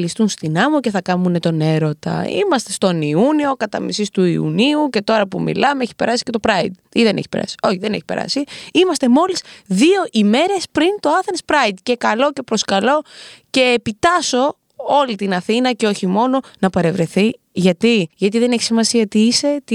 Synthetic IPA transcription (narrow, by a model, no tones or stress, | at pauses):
list̪unst̪inɐmoce̞θɐkɐmune̞t̪o̞ne̞ɾo̞t̪ɐ̰ḭmɐst̪est̪o̞niunio̞kɐt̪ɐ̰mḭsist̪uiṵniuce̞t̪o̞ɾɐpumḭlɐmeeçi̥pe̞ɾɐsi̥ce̞t̪o̞pɾɐid̪̚ | iðenḛçi̥pe̞ɾɐ̰si̥o̞çiðe̞neçipe̞̰ɾɐ̰siimɐst̪e̞mo̞lisðio̞ʔime̞ɾe̞spɾint̪o̞ɐθenspɾɐid̪ce̞kɐlo̞ce̞pɾo̞skɐlo̞ce̞ːpit̪ɐso̞ | o̞lit̪inɐθinɐceoçimo̞no̞nɐpɐɾe̞vɾe̞θi | ʝɐt̪iʝɐt̪iðe̞neçi̥simɐsiɐt̪iise̞t̪